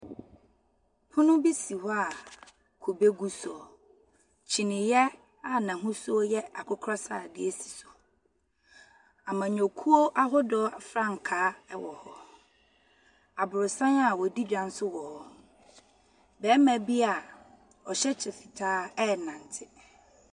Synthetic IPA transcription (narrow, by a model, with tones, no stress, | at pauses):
pʰʊ̃˦nʊ̃˦bi˦si˨hɔ˦a˨ | kʰo˨be˦ɡu˦sɔ˨ | t͡ɕʰi˨nɪ̃˨jɛ˦ | a˨nã˨ɦʊ̃˦sʊ˦ɔ˦jɛ˦a˨kʰʊ˦kʰɾɔ˦sa̰ː˨dɪ˦e˦si̥˨sʊ̥˨ | a˨mã˨ɲᶣɔ̃˨kʰu˦o˦ʔa˦ɦɔ˦dɔː˦a˨fɾã˦ŋ̩˨kʰaː˨˦ɛ˨wɔ˨hɔ˨ | a˨bʊ˨ɾʊ˨sã˦na˨wɔ˨di˦d͡ʑᶣã˨n̩˦sʊ˦wɔ˨ɔ˦ | bɛː˨˦mæ̃˨bi˦a˨ | ɔ˨ɕɛ˦t͡ɕʰɪ˨fi˨tʰaː˦ɛ˦˨nã˨n˨tʰɪ˦